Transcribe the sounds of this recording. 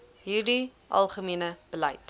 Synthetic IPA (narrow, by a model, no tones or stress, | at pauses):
ɦiːrdi | ʔɐ̰lˠχəmiənəb̥əlɐjt̚